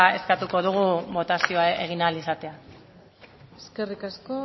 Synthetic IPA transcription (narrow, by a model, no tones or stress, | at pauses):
e̞skat̪uko̞ð̞uɣ̞uβo̞t̪asio̞ae̞ɣ̞inalisat̪e̞a | eskerikasko